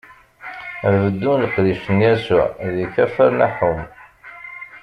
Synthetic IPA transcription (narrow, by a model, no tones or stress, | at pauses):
ævəd̪ːunləqliʃənjæsʊ̰ʕðiçæfəɾnæ̰ħum